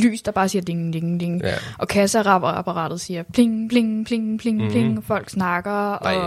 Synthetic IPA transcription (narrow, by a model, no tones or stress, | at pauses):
ly̰ːsd̥ɑ̈b̥ɑ̈ːsiːɐd̥e̝ŋd̥eŋd̥eŋ̩ʔɒ̽kʰæsəæʁɑ̈b̥ɐæpʰɑʁɑ̰̈ːd̥ð̩ˠsiːɐpʰleŋpʰle̝ŋpʰleŋ̩pʰle̝ŋ̩pʰle̝ŋŋ̩fɒ̽l̰ɡ̥snɑ̈ɡ̥ɐɒ̽